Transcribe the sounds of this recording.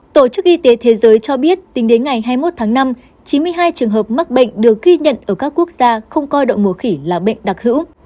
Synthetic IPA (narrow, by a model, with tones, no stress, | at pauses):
t̪o˧˩t͡ɕɨ˦˥k̚ʔi˧t̪e˨˦t̪ʰe˨˦zəː˨˦jt͡ɕɔ˧ɓi˦˥ət̚t̪ï˨˦ŋ̟ɗe˨˦nŋa˨˩jɦaː˧jmo˦˥t̚t̪ʰaː˨˦ŋna˧m | t͡ɕi˨˦nmɨ˧əjɦaː˧jt͡ɕɨ˨˩əŋɦəː˨˩p̚ma˦˥k̚ɓə̰˧˨jŋ̟ɗɨ˨˩ək̚ɣi˧ɲə̰˧˨nʔəː˧˩kaː˦˥kːu˦˥ək̚z̥aː˧xə˧wŋ͡mkɔ˧jɗə̰˧˨wŋ͡mm˨˧˩əxi˧˩laː˨˩ɓə̰˧˨jŋ̟ɗa˨˩k̚hɨ̰˧˥w